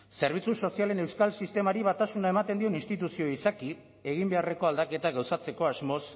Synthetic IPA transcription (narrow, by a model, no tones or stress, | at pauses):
se̞ɾβ̞it͡suso̞siale̞ne̞wskalsist̪e̞maɾiβat̪asunaemat̪e̞nd̪io̞ninst̪it̪usio̞isaki | e̞ɣimbe̞are̞ko̞ald̪ake̞t̪aɣawsat͡se̞ko̞azmo̞s